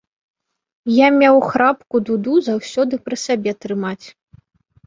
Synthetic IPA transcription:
jamʲawxɾapkud̪ud̪uzawsʲɔd̪ɨpɾɨsʲabʲɛt̪ɾɨmat͡sʲ

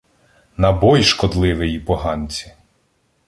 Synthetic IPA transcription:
nɐbɔjʃkɔd̪lˠɪʋɪjipɔɦɑnʲt͡sʲi̥

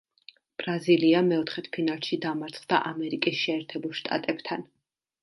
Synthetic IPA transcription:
b̥ɾaziliamɛɔt̪ʰχɛt̪ʰpʰinalˠʃid̪amaɾt̪sʰχd̪a̰ʔamɛɾikʼisʃɛːɾt̪ʰɛbulˠʃt̪ʼa̰t̪ʼɛbt̪ʰan

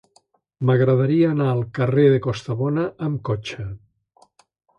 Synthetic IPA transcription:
məɣɾəðaɾiəːnaəlˠkəreðekost̪əβɔnəʔːmkot͡ʃə

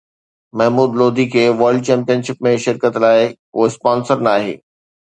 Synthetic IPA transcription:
mɛɦmuːd̪loːd̪ʱikʰeːʋəɾlɖ̚t͡ɕɛ̃ːmpijənʃɪpmẽʃɪɾkət̪laːɪkoːɪspaːnsəɾnaːɦḛː

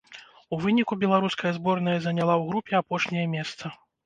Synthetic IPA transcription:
uvɨnʲikubʲɛlˠaɾuskɐjɐzbɔrnɐjɐzɐnʲalˠawɣɾupʲɛapɔʂnʲɛjɐmʲɛst̪sɐ

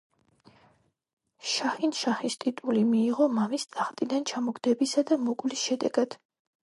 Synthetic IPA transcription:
ʃaχinʃaχist̪ʼit̪ʼulimiːʁɔmamisʼaχt̪ʼid̪ant͡ʃʰamɔɡd̪ɛbisad̪amɔkʼlisʃɛd̪ɛ̰ɡad̪̥

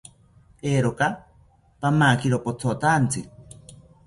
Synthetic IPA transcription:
eːɾoka | pamakiɾopot͡sʰot̪ant͡sɨi

